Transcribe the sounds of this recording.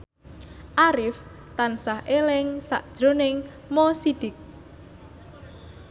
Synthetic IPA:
ʔaɾɪf | t̪ansahʔelɪŋsa̰ʔd̥ʒ̥ɾo̤nɪŋ | mosid̥ɪk̚

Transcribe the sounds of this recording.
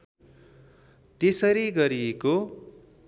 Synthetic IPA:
t̪esʌɾiɡʌɾieko

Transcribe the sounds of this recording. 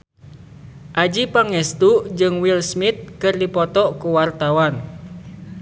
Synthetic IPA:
ʔad͡ʒipaŋɛst̪uʔd͡ʒɨŋwilsmit̪̚kɨrdipɔt̪ɔʔkuwart̪awan

